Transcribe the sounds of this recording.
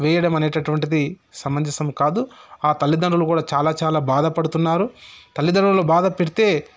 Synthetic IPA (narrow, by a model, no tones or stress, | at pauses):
ʋɛːjɐɽɐmɐne̞ːʈɐʈuʋɐɳʈid̪isɐmɐnd͡ʒɐsɐmkaːd̪uaːt̪ɐlːid̪ɐɳɾulukuːɽaːt͡ʃaːlaːt͡ʃaːlaːbaːd̪ɐpɐɽut̪unːaːɾut̪ɐlːid̪ɐɳɾuloːbaːd̪ɐpeɽit̪e̞ː